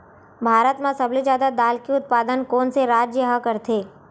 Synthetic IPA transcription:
bʱaːɾət̪mãsəblid͡ʒjaːd̪ad̪aːlkiʊt̪̚paːd̪ənkoːnseɾaːd͡ʒjəɦəkəɾt̪ʰeː

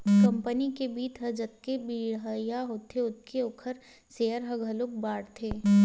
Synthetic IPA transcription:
kɐ̃mpənikebiːt̪ɦɐd͡ʒət̪̚kebiːɽɦajaɦoːt̪ʰeʊt̪̚kʰeʊkʰəɾ | seːjəɾɦɐɡʱəlʊk̚baːɽt̪ʰeː

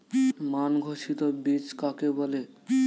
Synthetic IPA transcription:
manɡʱoʃit̪obit͡ɕkakebɔle

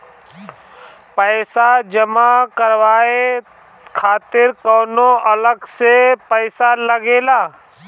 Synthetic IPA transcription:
pəːsad͡ʒəmakəɾʋaːe | kʰaːt̪ɪɾkɔːnoʔɐləɡsepəɪsaləɡeːlaː

